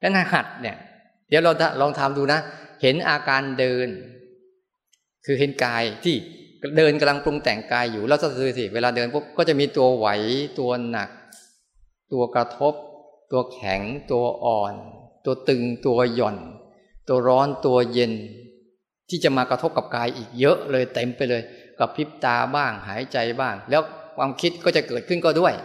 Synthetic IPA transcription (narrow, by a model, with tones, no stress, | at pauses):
lɛ˦˥naː˥˩hʰa˨˩t̪̚ni˧˩ɐ | di˨˩˦wɾa˧wta˧˩lɔː˧ŋt̪ʰaː˧mduː˧na˦˥he˩˦nʔaː˧kaː˧ndɤː˧n | kʰɯː˧ɦe˨˩˦nkaː˧jt̪ʰiː˥˩dɤː˧nka˧mla˧ŋplu˧ŋt̪ɛ˨˩ŋkaː˧jːuː˨˩lɛː˦˥˩wsa˧˥˩sɯː˧si˨˩weː˧laː˧dɤː˧nkʰo˦˥˩kɔː˥˩t͡ɕa˨˩ʔmiː˧t̪u˧ɐwa̰˩˦jt̪u˧ɐna̰˨˩k̚ | t̪u˧ɐkɾa˧t̪ʰo˦˥p̚ | t̪u˧ɐkʰɛ̰˩˦ŋt̪u˧ɐʔɔː˨˩nt̪u˧ɐt̪ɯ˧ŋt̪u˧ɐjɔ˨˩n | t̪u˧ɐɾɔː˦˥nt̪u˧ɐje˧n | t̪ʰiː˥˩t͡ɕa˨˩maː˧kɾa˧t̪ʰo˦˥p̚ka˨˩p̚kaː˧jʔiː˨˩k̚jɤ˦˥ʔlɤː˧jt̪e˧mpa˧jlɤː˧jkɔː˥˩pʰi˦˥p̚t̪aː˧baː˥˩ŋɦaː˩˦jt͡ɕa˧jbaː˥˩ŋlɛː˦˥wkʰwaː˧mkʰi˦˥t̪̚kɔː˥˩t͡ɕa˨˩ʔkɤː˨˩t̪̚kʰɯ˥˩nkɔː˥˩du˥˩əj